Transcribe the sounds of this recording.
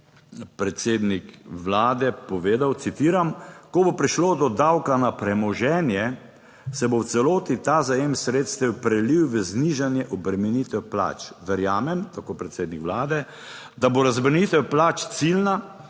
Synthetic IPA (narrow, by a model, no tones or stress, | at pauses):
pɾɛt̪seːd̪nikʋlaːd̪ɛpɔʋeːd̪awt̪sit̪iːɾamkɔbopɾiʃloːd̪ɔd̪awkanapɾɛmɔʒɛːnjɛ | sɛbowt̪sɛloːt̪it̪aːzajemsɾeːt̪st̪ɛwpɾɛliwʋəzniʒanjɛʔɔbɾɛmɛnit̪ɛwpla̰ːt͡ʃʋɛɾjaːmɛmt̪akoːpɾɛt̪seːd̪nikʋlaːd̪ɛ | d̪aboɾazbɾnit̪ɛwplaːt͡ʃt̪silna